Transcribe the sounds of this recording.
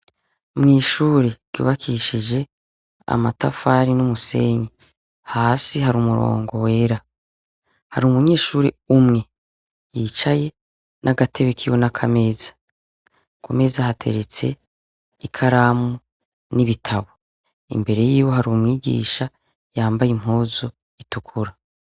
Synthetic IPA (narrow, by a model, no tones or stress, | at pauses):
mŋiːʃuːɾeɾ̥ɟ̥ṵːβakʰiʃid͡ʒe̞ | a̰matafaːɾinumuse̞ːɲi | haːsihaɾumuɾo̞̰ːŋɡo̞we̞ːɾa | haɾimuɲe̞ːʃuːɾe | umŋe̞ | jit͡ʃaje̞ | nʔaɡatʰe̞βekʰiwonakʰame̞ːzḁ | kome̞zahatʰe̞̰ɾe̞t͡se̞̰ | ikʰaɾamu | niβitʰaβo | ḭmbe̞ɾe̞jiːwo̞ɦaɾumŋiːɡḭːʃa | jaːmbajim̥hoːzo | itukʰuɾa